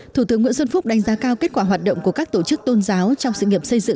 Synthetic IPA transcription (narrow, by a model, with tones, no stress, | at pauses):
t̪u˧˩t̪ɨ˨˦əŋːwḭ˧˥ənsə˧nfʊ˦˥k͡p̚ɗa˨˦jŋ̟zaː˨˦kaː˧wke˦˥t̚kwaː˧˩waː˨˩t̚ɗo̰˧˨wŋ͡mku˧˩əkaː˦˥k̚t̪o˧˩t͡ɕɨ˦˥k̚t̪o˧nzaː˨˦wt͡ɕɔ˧wŋ͡msɨ̰˧˨ŋi˨˩əp̚sə˧jzɨ̰˧˨ŋ